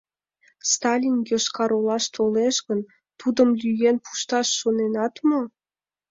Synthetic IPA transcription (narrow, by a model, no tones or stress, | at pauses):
st̪ɑlʲinjoʃkɑɾolɑʃt̪ʰoleʃɣən | t̪ud̪əmlyjenpu̥ʃt̪ɑʃːonenɑt̪mo